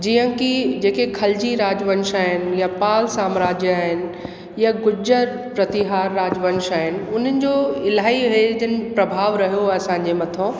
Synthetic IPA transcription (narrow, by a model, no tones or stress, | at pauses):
d͡ʑiːə̃kid͡ʑeːkekʰɐld͡ʑiɾaːd͡ʑʋə̃nʃaːɦɪn̆japaːlsaːmɾaːd͡ʑjəaːɦɪnɪ̆ | jaɡʊd͡ʑəɾ | pɾɐt̪iɦaːɾːaːd͡ʑʋə̃nʃaːɦɪnɪ̆ʊn̤ənɪ̆d͡ʑoːɪlaːɦiɦed͡ʑɪnɪ̆pɾɐbʱaːʋɾɐɦijoɐsãːɲ̆d͡ʑemɐt̪ʰõː